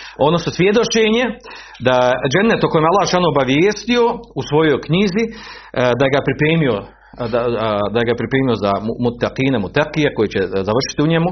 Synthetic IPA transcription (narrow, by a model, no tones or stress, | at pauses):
o̞d̪nososʋjed̪o̞t͡ʃeɲe | d̪ad͡ʒenːet̪okojemalːaːʃanoobaʋjeːst̪io̞usʋo̞jo̞jkɲiːzi | d̪ajeɡapɾipɾeːmio | d̪ad̪ajeɡapɾipɾeːmio̞zammut̪ːaqiːnemut̪aqijeko̞jet͡ɕezaʋr̩ʃi̥t̪iuɲemu